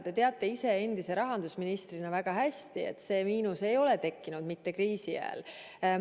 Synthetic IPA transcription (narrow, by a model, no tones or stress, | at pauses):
t̪e̞t̪e̞ɑt̪ːˑe̞ise̞e̞nd̪̥ise̞ɾɑɦɑnd̪̥usminist̪rinɑvæɡ̥ɑɦæst̪ie̞̰t̪se̞ːmiːnuse̞jo̞le̞t̪e̞kːinud̪̥mit̪ːe̞kɾiːsiæ̰ḛl